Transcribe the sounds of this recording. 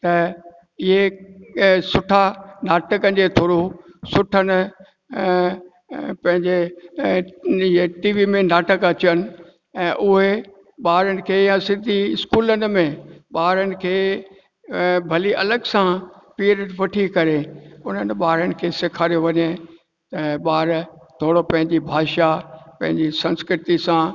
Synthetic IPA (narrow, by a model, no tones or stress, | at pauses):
t̪ɐ | ɪɦe | sʊʈʰanaːʈəkəd͡ʑet̪ʰoːɾosʊʈʰənɪ̆ | pɐ̃ɦɪ̃ɲd͡ʑe | ɪɦeʈiːʋimẽnaːʈəkɐt͡ɕiənɪ̆ | ɛ̃ːʔʊɦe | ɓaːɾənɪ̆kʰeːjãsɪ̃nd̪ʱiɪskuːlənɪ̆mẽɓaːɾənɪ̆kʰeː | bʱɐliʔɐləɡsãpiːɾəʈʋɐʈʰikɐɾeʊn̤ənɪ̆ɓaːɾənɪ̆kʰeːsekʰaːɾijoʋɐɲe | t̪ɐɓaːɾt̪ʰoːɽopɐ̃ɦɪ̃ɲd͡ʑibʱaːʃapɐ̃ɦɪ̃ɲd͡ʑisɐ̃nskɾɪt̪isã